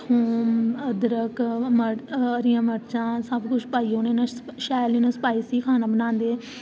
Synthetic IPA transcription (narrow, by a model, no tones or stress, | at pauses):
hoːməd̪ɾəkməəɾɪjãːməɾt͡ʃãːsəbkʊt͡ʃʰpaːiːonẽːnãːʃaːliːnõːsə̥paːiːsiːkʰaːnaːbənãːnd̪eː